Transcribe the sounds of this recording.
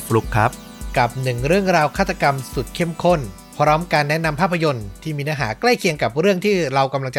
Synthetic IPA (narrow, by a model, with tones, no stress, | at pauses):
ɾu˦˥kʰɾa̰˦˥p̚ | ka˨˩p̚nɯ˨˩ŋɾɯ˥˩əŋɾaː˧wkʰaː˥˩t̪ʰːa˧ka˧msu˨˩t̪̚kʰe˥˩mkʰo˥˩n | pʰɾɔː˦˥mkaː˧nːɛ˦˥na˧mpʰaː˥˩pʰːa˧jo˧nt̪ʰiː˥˩miː˧naː˦˥ɦa̰ː˩˦kla˥˩jkʰi˧əŋka˨˩p̚ɾɯ˥˩əŋt̪ʰiː˥˩ɾa˧wka˧mla˧ŋt͡ɕa˧